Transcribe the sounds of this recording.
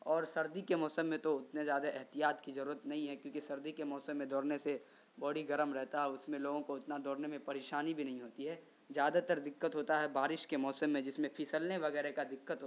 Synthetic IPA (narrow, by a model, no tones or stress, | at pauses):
ɔːɾsɐɾd̪ikemɔːsəmːẽt̪oʊt̪nezjaːd̪aʔɛɦt̪ijaːt̪kizɐɾuːɾət̪nɐɦĩɦɛkjõːkisɐɾd̪ikemɔːsəmːẽd̪ɔːɾnese | bɐɽ̤iɡɐɾəmɾɛɦt̪aɦɛʊsmẽloːɡõkoʊt̪nad̪ɔːɾnemẽpɐɾeːʃaːnibʱinɐɦĩɦoːt̪iɦɛː | zjaːd̪at̪əɾd̪ɪkːət̪ɦoːt̪aɦɛbaːɾɪʃkemɔːsəmːẽd͡ʒɪsmẽpʰisəlneʋɐɣɛːɾekad̪ɪkːət̪ɦoː